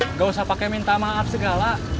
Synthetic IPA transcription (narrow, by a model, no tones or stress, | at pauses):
ŋɡausahpakɛmint̪amaːpsəɡala